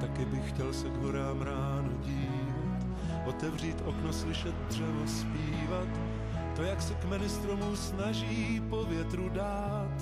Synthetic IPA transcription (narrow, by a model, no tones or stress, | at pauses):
t̪akɪbɪxxcɛlsɛɡɦo̞ɾaːmɾaːnuɟiː | vat̪ | ʔo̞t̪ɛvr̝iːt̪ʔokno̞slɪʃɛt̪̚dr̝̥ɛvo̞spiːvat̪ː | ojaksɛkmɪnɪst̪ɾo̞musnaʒiːpo̞vjɛt̪ɾudaː | t̪